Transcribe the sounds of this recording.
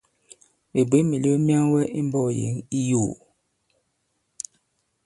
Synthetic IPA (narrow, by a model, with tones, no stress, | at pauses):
me˨bwe˨˦mi˨li˦o˦mi˦a˦ŋwɛ˦ʔi˦m˦bɔ˦˨jḛ˨˦ŋi˦jo˦˨